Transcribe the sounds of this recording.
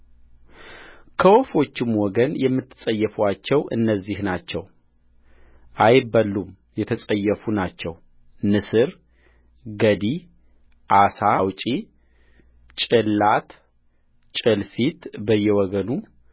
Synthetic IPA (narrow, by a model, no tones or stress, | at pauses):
kʰəwɔfo̞t͡ʃːɪmwɔɡənjɛmːɨt̪ːɨ̥sʼəjːɛfat͡ʃːɛwʔɨ̰nːəzːihnat͡ʃːɛw | ʔajbəlːum | jɛt̪ʰəsʼəjːɛfunat͡ʃːɛw | nɨsɨɾ | ɡəd̪i | ʔasawt͡ʃʼi | t͡ʃʼɨlːat̪ | t͡ʃʼɨlfit̪bəjːɛwɔɡənu